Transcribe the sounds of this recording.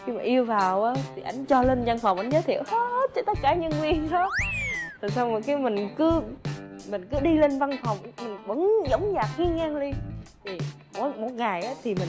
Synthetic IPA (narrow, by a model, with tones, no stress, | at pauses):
xi˧maː˨˩ʔi˧əwvaː˨˩wʔaː˨˦t̪ʰi˨˩ʔa˨˦jŋ̟t͡ɕɔ˧le˧nza˧nfwŋ͡mʔa˧jŋ̟zəː˨˦jt̪ʰḭ˧˨əwhe˦˥t̚t͡ɕɔ˧˩t̪ə˦˥t̚kaː˧˩ɲə˧nvi˧ənɗa˨˦t̪ʰa˨˩sa˧wxi˨˦mï˨˩ŋ̟kɨ˨˦ | mï˨˩ŋ̟kɨ˨˦ɗi˧le˧nva˧nfɔ˨˩wŋ͡mmï˨˩ŋ̟ɓə˧˦ŋzə˨˦wŋ͡mzaː˨˩k̚ŋi˧əŋaː˧ŋli˧t̪ʰi˨˩ | mo˨˦mo˨˩˦t̚ŋa˨˩jʔaː˨˦t̪ʰi˨˩mï˨˩ŋ